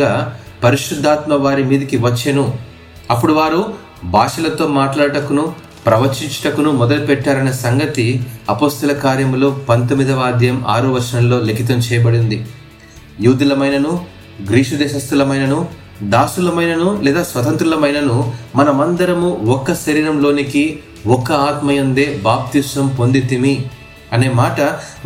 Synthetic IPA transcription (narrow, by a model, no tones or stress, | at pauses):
aː | pɐɾiʂɾud̪ʱːaːt̪mɐʋaːɾimiːd̪ɐkiʋɐt͡ʃːenu | ɐpːuɽuʋaːɾu | bʱaːʂɐlɐt̪o̞ːmaːʈlaːɽʈɐkunu | pɾɐʋɐt͡ʃiɲt͡ʃɐ̥ʈɐkunumɔd̪ɐlupɛʈːaːɾɐnɐsɐŋɡɐt̪iɐpo̞ːst̪ɐlɐkaːɾjɐmlo̞ːpɐnt̪omːid̪ɐʋaːd̪ʱjɐma̰ːɾuʋɐɾʂɐnɐmlo̞ːlekit̪ɐmt͡ʃɛːjɐbɐɽind̪i | juːd̪ulɐmɐjnɐnu | ɡɾiːʂɐd̪ɛːʃɐst̪ɐlɐmɐjnɐnu | d̪aːsulɐmɐjnɐnulɛːd̪aːsʋɐt̪ɐnt̪ɾulɐmɐjnɐnumɐnɐmɐnd̪ɐɾɐmuɔkːɐʃɐɾiːɾɐmlo̞ːniki | ɔkːɐaːt̪mɐjɐnd̪e̞ːbaːp̚t̪isɐmpo̞nd̪it̪imi | ɐne̞ːmaːʈɐ